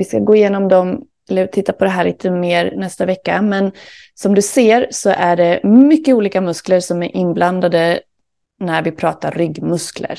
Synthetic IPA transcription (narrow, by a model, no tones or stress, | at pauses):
vɪskaɡoːɪjeːnɔmd̪ɔm | ɛlːət̪ʰɪt̪ːapʰɔd̪ɛɦæːɭḭːt̪ʰəmeːɾnɛst̪avɛkːa̰mɛn | sɔmd̪ɵseːɾsɔʔæɖɛmʏkːəuːliːkamɵskləɾsɔmæɾʔɪnbland̪ad̪ə | næɾvɪpʰɾɑːt̪aɾːʏɡmɵsklə̰ɾ